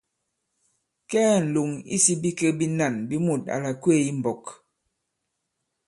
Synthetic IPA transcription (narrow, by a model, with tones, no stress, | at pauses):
kɛː˦n̩˨lu˨ŋḭ˦si˦bi˦kə˦bi˦na˦˨nbi˦mu˨t̚a̰˨la˨kwe˦˨i˦m̩˨bɔ˨k